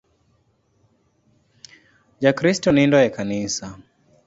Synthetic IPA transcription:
d͡ʒakɾistɔnindɔjakanisa

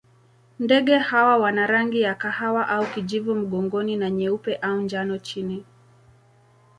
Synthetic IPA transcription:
ndɛɠɛhawawanaɾaŋɡijakahawaʔaukiʄivum̩ɠɔŋɡɔninaɲɛupɛʔaund͡ʒanɔt͡ʃini

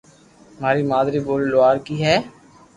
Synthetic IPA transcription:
maːɾiːmaːd̪ɾiːboːlːʊaːɾkiːɦɛː

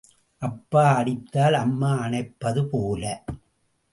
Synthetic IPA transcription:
ʔɐpːaːɐɽɪt̪ːaːlɐmːaːɐnɐɪpːɐðɯpoːlɐ

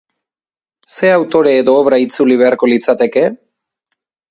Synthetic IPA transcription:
se̞awt̪o̞ɾe̞ːðo̞ːβɾait͡suliβ̞e̞aɾko̞lit͡sat̪e̞ke̞

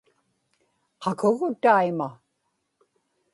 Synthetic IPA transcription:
qʰɑkʰʊɣʊt̪aima

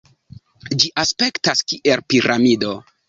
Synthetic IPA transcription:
d͡ʒiʔaspe̞ktaskiʔelpiɾʔamido̞

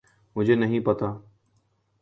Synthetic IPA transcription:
mʊ̃d͡ʒʱeːnəɦĩːpət̪aː

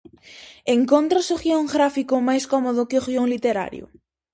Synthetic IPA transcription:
eŋkont̪ɾosoɣioŋɡɾafikʊmajskɔmoðʊkɪoɣjoŋlit̪eɾa̰ɾjʊ̰

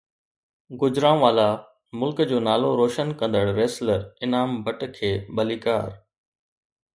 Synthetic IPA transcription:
ɡʊd͡ʑɾãːʋaːla | mʊlkd͡ʑoːnaːloɾoːʃənkɐ̃nd̪əɽɾeːsləɾɪnaːmbʱəʈkʰeːɓɐliːka̰ːɾ

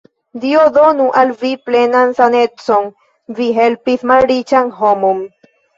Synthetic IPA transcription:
d̪iod̪onuʔalviplenansanet͡son | viɦelpismalɾit͡ʃaŋɦomom

